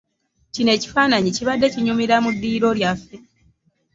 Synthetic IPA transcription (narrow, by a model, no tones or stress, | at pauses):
cine̞ːci̥faːnaɲiciβadːe̞ciɲumiɾamudːiːɾo̞ljafːe̞